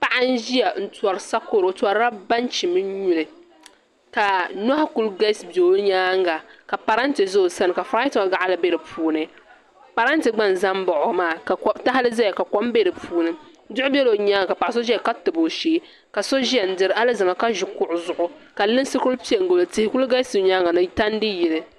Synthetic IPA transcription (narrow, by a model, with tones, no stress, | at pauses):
pa˨ʔa˦n˦ʒi˦jɛ˨n̩˦tɔ˨ɾsa˦ko˦ɾo˨tɔ˨ɾa˦ba˦nt͡ʃi˨mɨ˦ɲu˨lɨ˨ | ka˨na˦ha˦ku˨lɡa˦sbo˨˦ɲaː˦ŋɡa˨ka˨pa˨ɾa˦n˦tɨ˨zo˦o˨sa˦nɨ˨ka˨fɾa˦ta˨ɡa˨ʔa˦lɨ˨be˦ɾɨ˨pʰuː˦nɨ˨˦ | pa˨ɾa˦n˦tɨ˨ɡ͡ba˦n˨za˦mbɔ˨ʔʊ˨maː˦˨ka˨˦ta˦ha˦lɨ˦za˦ja˨ka˨kɔ˦m˦be˦ɾɨ˨pʰuː˦nɨ˦ | dʊ˦ʔʊ˦bɛ˦lo˨ɲaː˦ŋa˨ka˨pa˨ʔso˦ʒka˦tɨ˨bo˨ʃeː˦ | ka˨so˦ʒi˦ɛ˨n̩˦dɨ˨ɾa˦lɨ˦zɨ˨ma˨ka˦ʒʊ˨kʊ˦ʔʊ˨zʊ˨ʔʊ˦ka˨lɨ˦n˦sɨ˦kʊ˦lpi˦ɛ˨ŋ˨ɡo˨lɨ˨tɪ˨hɪ˨ku˦lɡa˦sɨ˨˦ɲaː˦ŋa˨nɨ˦ta˦n˦dɨ˦ji˨lɨ˨